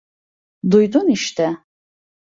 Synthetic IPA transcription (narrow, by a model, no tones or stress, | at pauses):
d̪ujd̪uniʃt̪ʰɛ